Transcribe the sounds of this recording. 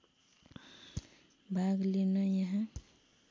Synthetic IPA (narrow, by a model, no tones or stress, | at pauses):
bʱaɡlenəjəɦã